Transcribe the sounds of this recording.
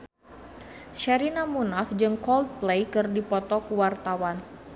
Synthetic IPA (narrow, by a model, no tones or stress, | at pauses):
ʃaɾinamunafd͡ʒɨŋkɔld̪̚plejkɨrdipɔt̪ɔkuwart̪awan